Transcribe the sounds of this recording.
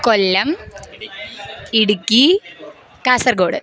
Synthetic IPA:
kolːɐm | iɽukʲːi | kaːsɐrɡoːɽɨ

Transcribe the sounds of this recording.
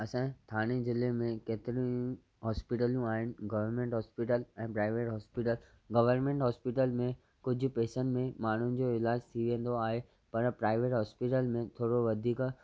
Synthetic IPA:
ɐsãːt̪ʰaːɽ̃ezɪlemẽkeːt̪ɪɾĩ | ɦɔːspɪʈəljũaːɦɪnɪ̆ɡɐʋəɾmẽɳʈɦɔːspiʈəlɛ̃ːpɾaːɪʋeːʈɦɔːspiʈəl | ɡɐʋəɾmẽɳʈɦɔːspiʈəlmẽ | kʊd͡ʑʱʊ̆peːsənmẽmaːɳ̤ʊnɪ̆d͡ʑoːɪlaːd͡ʑt̪ʰiʋĩə̃n̆d̪oaːɦe | pɐɾpɾaːɪʋeːʈɦɔːspiʈəlmẽt̪ʰoːɽoʋɐd̪ʱiːk

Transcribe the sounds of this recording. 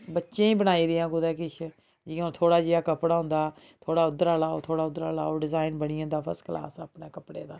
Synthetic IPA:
bətːʃẽːĩːbənaːiːd̪ɪjãːɡʊd̪ɛːkɪt͡ʃʰ | d͡ʒiːõːt̪ʰoːɽaːd͡ʒijaːkəpɽaːɦʊ̃nd̪aː | t̪ʰoːɽaːʊd̪ɾaːlaːo̰ːt̪ʰoːɽaːʊd̪ɾaːla̰ːoːɖɪzaːɪnbəɽɪjãːd̪aːpʰə̰skla̰ːsəːpneːkəpɽḛːd̪aː

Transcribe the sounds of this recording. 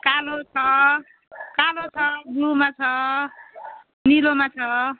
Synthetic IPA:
kalot͡sʰʌ | kalot͡sʰʌɡumat͡sʰʌ | nilomat͡sʰʌ

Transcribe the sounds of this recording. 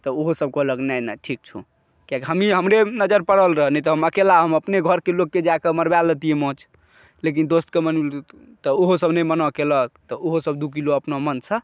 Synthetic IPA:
t̪ɔoɦosəb̚kɔləknajna̰ʈʰik̚t͡ʃʰṵ | kjakɦəmiɦəmɾenəd͡ʒəɾpəɽəlɾəɦənɛt̪ɔɦəməkelaɦəməpneɡʱəɾkelokːed͡ʒakeməɾbalət̪iemɔ̃t͡ʃʰ | lek̬ind̪ost̪kemənil | t̪ɔoɦosəbnəjmənɔkelək̚t̪ɔʔoɦosəbd̪ukiloəpnomənt͡ʃʰə

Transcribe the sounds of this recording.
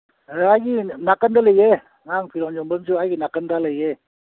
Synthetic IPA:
aɡinakandaləje | ŋaŋpʰiɾɔŋɲɔmbənsuaɡinakəndaləje

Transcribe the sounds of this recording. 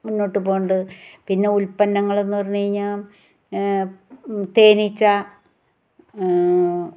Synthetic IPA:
munːo̞ːʈːɨpo̞ːɳɖɨpinːe̞ulpɐnːɐŋːɐɭe̞nːupɐrɐɲːiɲaːm | t̪e̞ːnit͡ɕːɐ

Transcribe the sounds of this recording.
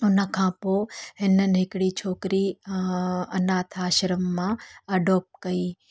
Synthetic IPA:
ʊnə̆kʰãːpoːɦɪnənɪ̆ɦɪkɽit͡ʃʰoːkɾi | ɐnaːt̪ʰaːʃɾəmːãːɐɖʱoːp̚kɐiː

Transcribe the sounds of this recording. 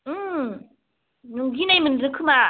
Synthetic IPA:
ɯ | nɯŋɡinajmɯndɯkʰɯma

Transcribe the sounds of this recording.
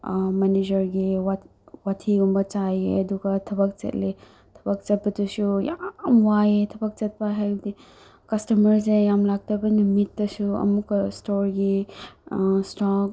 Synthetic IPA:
maned͡ʒɐɾɡiwa | watʰiɡumbɐt͡ʃajeɐduɡɐtʰɐbɐk̚t͡ʃɐ̰tle | tʰɐbɐk̚t͡ʃɐt̚pɐtusujamwajetʰɐbɐk̚t͡ʃɐt̚paɦajdi | kɐstɐmɐɾsejamlak̚tɐbɐnumitːɐsuɐ̰mukɐstoɾɡi | stɔ

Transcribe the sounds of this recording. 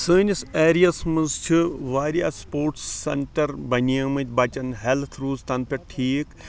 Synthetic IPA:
sɨːnʲiseːɾijɐsmɨnzt͡ʃʰiʋaːɾija̰ːspoːɾʈsːḛɳʈɐɾbɐniɐmɨt̪ʲbɐt͡ʃɐnɦelt̪ʰɾuːzt̪ɐnpʲeʈʰiːk

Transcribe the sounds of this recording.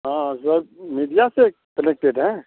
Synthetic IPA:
ɦãːsəɾmiːɖijase | kənek̚ʈeɖɦɛ̃ː

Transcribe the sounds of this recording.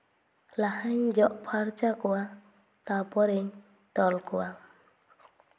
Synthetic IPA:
lahaɲd͡ʒɔʔpʰaɾt͡ʃakɔwa | t̪apɔɾeɲ | t̪ɔlkɔwa

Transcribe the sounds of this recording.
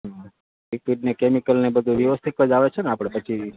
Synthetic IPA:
ik̚fiʈnekemikəlnebəd̪ʱuʋjəʋəst̪ʰik̪ʋəd͡ʒaʋet͡ʃʰeneapəɽ̃epət͡ʃʰi

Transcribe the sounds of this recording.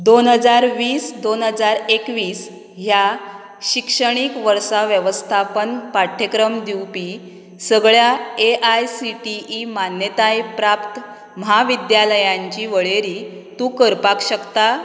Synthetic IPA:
d̪onɦəd͡zaɾʋiːsd̪onɦəd͡zaɾekʋiːs | ɦja | ɕikʂəɽ̃ikʋəɾsaʋjəʋəst̪ʰapənpaʈʰːekɾəmd̪iwpi | səɡɭjaeʔajsiʈiːmanjət̪ajpɾapt̪ | məɦaʋid̪jaləjãɲt͡ɕiːʋəɭeɾiːt̪ũːkəɾpakɕəkt̪a

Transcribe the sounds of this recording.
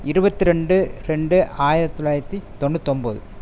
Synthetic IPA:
ɪɾɯbɐt̪ːiɾɛɳɖɯɾɛɳɖɯʔaːjɪɾɐt̪ːɔlaːjɪɾɐt̪ːit̪ɔnːɯt̪ɔnbɐðɯ

